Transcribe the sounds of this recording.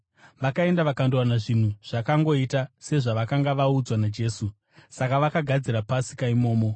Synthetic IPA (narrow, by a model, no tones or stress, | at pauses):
ʋakae̞ndaʋakandowanaʐin̤uʐ̥akaŋɡo̞itase̞ʐaʋakaŋɡaʋaud͡zwanad͡ʒe̞ːsu | sakaʋakaɡʱad͡ziɾapasi̥kaimo̞ːmo̞